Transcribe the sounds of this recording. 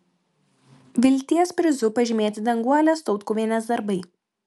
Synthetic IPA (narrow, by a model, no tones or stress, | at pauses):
ʋʲɪlʲt̪ʲiɛspʲɾʲɪzʊpɐʒʲɪmʲeːt̪ʲɪd̪ʲɐŋɡuɔlʲɛst̪ɔʊt̪kʊʋʲinʲɛs̬d̪ɐɾbɐɪ